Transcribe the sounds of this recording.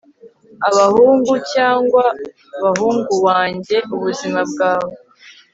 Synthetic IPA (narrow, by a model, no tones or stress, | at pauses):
aβahuːŋɡucaːŋɡwa | βaɦuːŋɡuwaːɲɟe̞ʔuβuzimab̚ɡaːβo